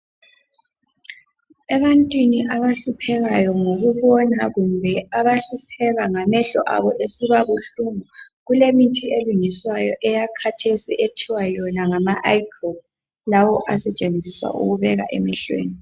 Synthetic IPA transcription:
ɛβantʼwiniʔaβaɬupʰɛɣajɔŋoɣuβɔnaɣumbʱɛaβaɬupʰɛɣaŋamɛɬɔ̰ʔa̰βɔʔesiβaɣuɬumuɣulemitʰieluŋiswajɔʔɛjakʰatʰesiʔetʰiwajɔnaŋamaʔaikob̚ | lawɔʔasɛt͡ʃʼend͡zʱiswa̰ʔṵɣuβɛɣa̰ʔɛ̰miɬwḛːni

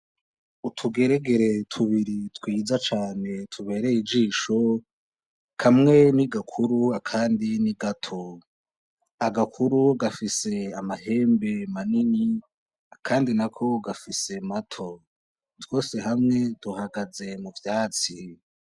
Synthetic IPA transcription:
utʰuɡe̞ɾeɡe̞ɾe̞tʰuβiɾitwiːd͡zat͡ʃaːne̞tʰuβe̞ːɾe̞id͡ʒiːʃo̞ | kʰamŋe̞niɡakʰuɾuakʰaːndiniɡatʰo | aɡakʰuɾuɡafise̞amahe̞ːmbe̞manini | akʰaːndinakʰo̞ɡafise̞matʰo̞ | two̞ːse̞ɦamŋe̞duhaɡaze̞muvjaːt͡si

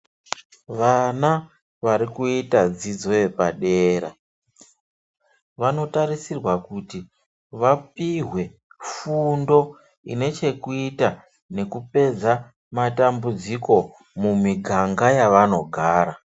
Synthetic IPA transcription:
ʋana | ʋaɾikuitad͡zid͡zo̞je̞paɗeːɾa | ʋano̞taɾisirwakuti | ʋapiɦwe̞fundo̞ | ḭne̞t͡ʃe̞kuita | ne̞kupe̞d͡za | matambud͡ziko̞ | mumiɡʱaŋɡajaʋano̞ɡʱaːɾa

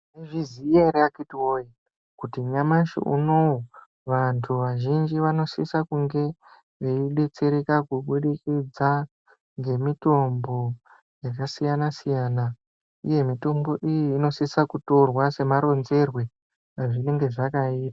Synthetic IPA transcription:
neʐizijeɾeakitiwoi | kutiɲamaʃḭʔṵno̞wo | ʋantʰuʋaʒind͡ʒiʋano̞sḭsakuŋɡe̞ | ʋeiɗe̞t͡se̞ɾe̞kakuɓuɗikid͡za | ŋɡe̞mito̞mbo̞ | jakasijanasijaːna | ḭje̞mito̞mbo̞ʔijiːno̞sisakuto̞rwase̞maɾo̞nze̞rwe̞ | aʐine̞ŋɡe̞ʐakaiːta

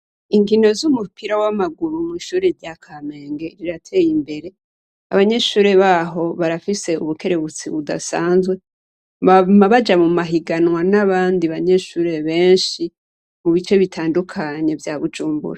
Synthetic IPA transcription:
iŋɡino̞zumupiɾawamaɡuɾumŋiːʃuːɾeɾɟakʰame̞ːŋɡe̞ɾiɾatʰe̞ːjimbe̞ɾe̞ | a̰βaɲe̞ʃuːɾe̞βaːɦo̞βaɾafise̞ṵβukʰe̞ɾe̞βut͡siβuda̰sa̰ːnzwe̞ | amaβad͡ʒamumaɦiɡanwanaβaːndiβaɲe̞ʃuːɾe̞βe̞ːnʃi | muβit͡ʃe̞βitʰaːndukʰaɲe̞vjaβud͡ʒuːmbṵɾa

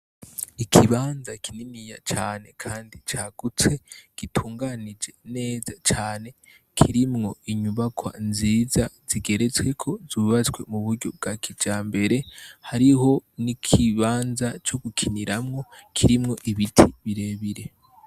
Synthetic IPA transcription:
ikʰiβaːnzakʰininijat͡ʃaːne̞kʰaːndit͡ʃaːɡ̥ut͡swe̞ɡ̥itʰuːŋɡanid͡ʒe̞ne̞ːzat͡ʃaːne̞ | kʰiɾimŋo̞iɲuβakʰwa̰nziːzaz̥iɡe̞ɾe̞t͡swe̞kʰo̞zuːβat͡swe̞muβuɾɟo̞b̚ɡakʰid͡ʒaːmbe̞ɾe̞haɾiho̞nikʰiβaːnzat͡ʃo̞ɡukʰiniɾamŋo̞kʰiɾimŋo̞ʔiβitʰiβiɾe̞ːβiɾe̞

